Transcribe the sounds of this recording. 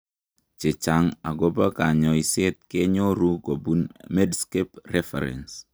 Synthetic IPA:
t͡ʃe˨t͡ʃa˨ŋa˨ɡo˦ba˦ka˨ɲɔ˨i˨se˦t̪̚ke˦ɲo˦ɾu˦ko˨bu˦nme˦dske˦prɛ˦fɛ̰˨ɾɛ̰˨ns

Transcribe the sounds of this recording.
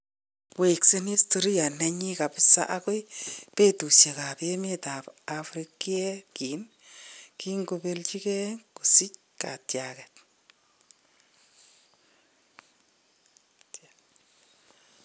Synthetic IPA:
we˨kse˦ni˦sto˨ɾi˦ja˨nɛ˨ɲi˦ka˨pɪsa̰˦ʔa˦kʊ˦jpe˦tu˨sje˨ka˨pe˦mi˦ta˨pafɾiki˦ɛ˦ki˨n | ki˦ŋɡobe˦lt͡ʃi˦kɛ˦ku˨sɪ˦c | ka̰˨tjakɛt

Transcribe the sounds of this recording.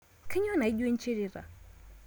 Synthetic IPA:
kʰɛ˦ɲ˦ɔ˦na˨i˦ɟe˦n˦t͡ʃi˦ɾi˦ɾa̰˨

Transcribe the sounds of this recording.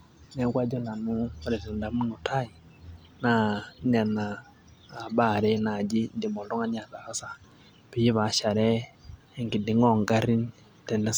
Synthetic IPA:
nɛ˦kwa˦d͡ʒɔ˦na˨nu˦ɾe˨si˨nda˨˦mu˦nu˨tʰa˦ji˨ | na˨˦n˦a˨naː˨ | ba˨ɾɛ˦na˨d͡ʒi˦ndi˨mo˨dɔ˦ŋa˦ɲ˦a˨ta˨a˦sa˦ | pi˨˦ji˦βa˨ʃa˨ɾɛ˦˨ | ŋɡi˨di˨˦ŋɔ˦˨ŋɡa˦ɾi˦n | tɛ˨nɛ˦s

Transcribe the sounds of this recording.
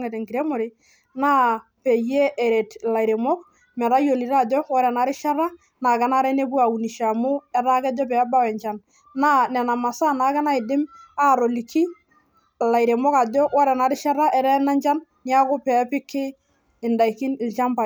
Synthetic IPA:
ŋɛ˨tɛ˨ŋki˨ɾe˦mo˨ɾɪ˦ | na˦pe˨je˦ʔe˨ɾe˨tla˨iɾe˨mɔ˦k | mɛ˨ɾa˦jo˨li˨ɾa˦˨dɔ˦wɔ˦ɾɛ˨na˨˦ɾɪ˦ʃa˦ɾa˦ | naː˨kɛ˦na˦ɾɛ˦ne˦b̬u˦a˨u˨ni˨ʃa˨mʊ˦ɛ˦ɾa˦kɛ˦dɔ˦pɛ˨a˦ba˦wɛ˨ɲt͡ʃa˨nː | a˦nɛ˨na˨ma˨sa˦na˨˦kɛ˦na˦ɪ˨dɪ˦ma˦˨ɾo˨li˨kʰi˦˨ | la˨i˨ɾe˨mɔ˦ka˨dɔ˦wɔ˦ɾɛ˨na˨ɾɪ˦ʃa˦ɾa˦ʔɛ˨ɾɛ˦na˦nt͡ʃa˦n | nja˦kʊ˦pɛ˨˦pɪ˦kʰɪ˦ | ɪ˨nda˨i˨ki˦nɪ˨lt͡ʃa˦mpa˨

